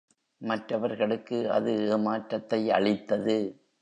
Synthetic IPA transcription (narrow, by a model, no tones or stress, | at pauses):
mɐʈrɐʋɐɾɣɐɭɯkːɯɐ̰ðɯeːmaːʈɾɐt̪ːɐɪɐ̰ɭɪt̪ːɐðɯ